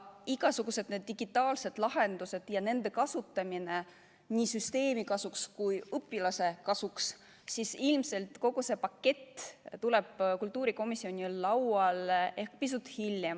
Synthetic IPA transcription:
iɡ̥ɑsuɡ̥use̞d̪̥ne̞d̪̚ːiɡ̥it̪ːˑɑːlse̞d̪̥lɑɦe̞nd̪̥use̞d̪̥jɑne̞nd̪̥e̞kɑsut̪ːˑɑmine̞ | niːsyst̪e̞ːmikɑsukskujɤpˑːilɑse̞kɑsuks | sisilmse̞lt̪ˑko̞ɡ̥use̞pɑkːe̞t̪ːt̪ule̞b̥kult̪ːˑuːɾiko̞misːio̞nʲilːɑwɑle̞hkpis̬ut̪ːˑhilːjem

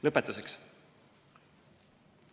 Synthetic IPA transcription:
lɤpːet̪ːˑuseks

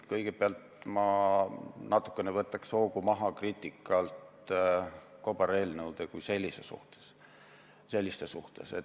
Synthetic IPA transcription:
kɤjɡ̥eb̥eɑlt̪mɑ | nɑt̪ːˑu̥kːˑe̞nevɤt̪ːˑɑkso̞ːɡumɑɦɑkriːt̪ʲːˑikːˑɑlt̪ | ko̞bɑɾelʲnəwd̪̥ekujse̞lʲːise̞sṵht̪e̥s | se̞lʲːist̪esuht̪e̞̰se

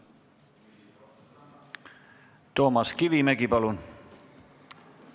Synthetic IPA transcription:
t̪o̞ːmɑskivimæɡipɑlun

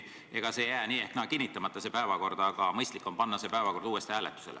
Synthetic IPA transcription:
e̞ɡ̥ɑse̞jæːniːeht̪nɑkinːit̪ːˑɑmɑt̪ːˑɑsepæevɑko̞rd̪̥ɑɡ̥ɑmɤjst̪likːˑompɑnːɑse̞pæevɑko̞rd̪̥uːe̞st̪ihæːlet̪ːˑu̥se̞le

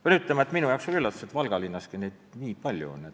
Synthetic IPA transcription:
ɑnyt̪lemɑet̪minujɑowksolylːɑt̪ːu̥set̪vɑlɡ̥ɑlinːɑskineːd̪̥niːpɑlʲjṵo̰nːet̪

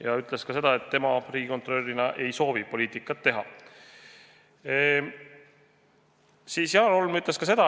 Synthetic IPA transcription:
jɑyt̪ːˑle̞skɑse̞d̪̥ɑe̞t̪ːe̞mɑriːɡʲikot̪ro̞lʲːinɑʔe̞jso̞ːvipo̞lʲiːt̪ˑikːˑɑt̪ːe̞ɦɑ̰ | siːsjɑlolmyt̪leskɑse̞d̪̥ɑ

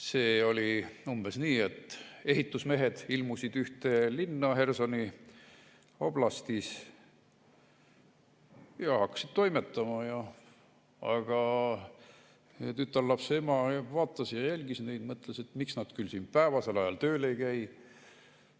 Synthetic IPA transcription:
se̞ːo̞lʲiumb̥e̞sniːet̪ːˑe̞hit̪ːˑusme̞ɦed̪̥ilmusid̪yht̪e̞linːɑhe̞rso̞ni | ob̥lɑst̪is | jɑhɑkːɑ̥sid̪̥t̪o̞jmet̪ːɑmɑjɑ | ɑɡ̥ɑ | t̪yt̪ːˑɑrlɑpse̞mɑvɑːt̪ːˑɑsjɑjælʲɡ̥isneid̪̥mɤt̪ːˑleset̪miksnɑd̪kylsiːnpæevɑse̞lɑjɑlt̪ø̞ːle̞jkæj

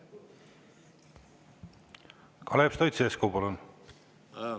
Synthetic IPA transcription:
kʰɑlepst̪ojt̪seeskowpɑlun

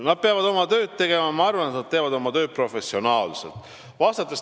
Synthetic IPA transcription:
nɑd̪̚peɑvɑd̪o̞mɑt̪ø̞ːd̪̥̚t̪e̞ɡ̥e̞mɑmɑɑrvɑnet̪nɑd̪t̪e̞ːvɑd̪o̞mɑt̪ø̞ːt̪̚pro̞fe̞sːio̞nɑːlselt̪ˑ | vɑːst̪ɑt̪ːˑes

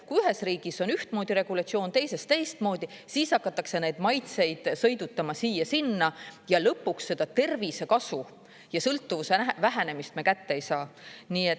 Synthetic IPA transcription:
kujyɦe̞sriːɡ̥iso̞nyht̪moːd̪̥iɾe̞ɡ̥ulɑt̪sio̞ːnt̪e̞jse̞st̪e̞jst̪̚mo̞ːd̪̥isiːsɑkːˑɑt̪ːˑɑkse̞ne̞jd̪̥mɑjt̪se̞jd̪̥sɤjd̪ut̪ːɑmɑsiːjːɑsinːɑjɑlɤpːuksːe̞d̪̥ɑt̪e̞rvise̞kɑsu | jɑsɤlt̪ːuvusevæɦæne̞mist̪̚mekæt̪ːeejsɑːniːet̪

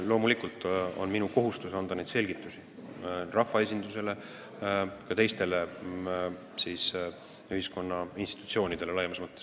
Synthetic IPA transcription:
lo̞ːmulikˑult̪ˑo̞̰nminuko̞ɦust̪usɑnd̪ɑne̞jd̪se̞lʲɡ̥it̪ːˑusi̥rɑfːɑes̬ʲind̪̥use̞le̞ | kɑt̪e̞jst̪e̞le | siːs | yɦisko̞nːɑinst̪it̪u̥t̪sio̞ːnid̪̥e̞lelɑjmɑsmɤt̪ːes

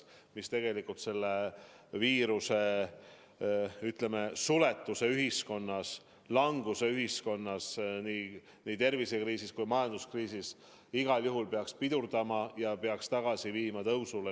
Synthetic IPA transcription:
mist̪e̞ɡ̥e̞likːˑult̪se̞lːe | viːɾuse̞ | yt̪ˑleme̞sule̞t̪ːˑuse̞yɦisko̞nːɑs | lɑŋɡ̥use̞yɦisko̞nːɑsniː | niːt̪e̞rvise̞kriːsiskujmɑjɑnd̪uskriːsis | iɡ̥ɑljuɦulpeɑkspid̪̥urd̪ɑmɑjɑpe̞ɑkst̪ɑɡ̥ɑsiviːmɑt̪ɤwsule

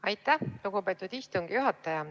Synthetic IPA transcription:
ɑjt̪ːˑæhluɡ̥upe̞t̪ːˑud̪̥ist̪uŋɡ̥ijuɦɑt̪ːˑɑjɑ

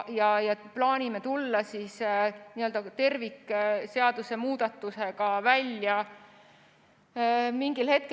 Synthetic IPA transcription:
jɑjɑplɑːnʲime̞t̪ulːɑsiːsniːø̞ld̪ɑt̪e̞rvikːse̞ɑd̪̥use̞muːd̪̥ɑt̪ːˑuse̞ɡ̥ɑvælʲːjɑ | miŋɡ̥ilhe̞t̪̚ke

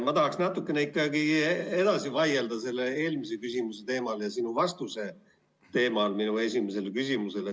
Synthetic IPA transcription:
mɑt̪ɑɦɑksnɑt̪ːˑukːˑeneikːˑɑɡie̞d̪ɑsivɑje̞ld̪ɑse̞lːee̞ːlmis̬e̞kysʲimuse̞t̪e̞ːmɑljɑsinuvɑst̪use̞ | t̪e̞ːmɑlminue̞sʲimes̬e̞lekysʲimuse̞le

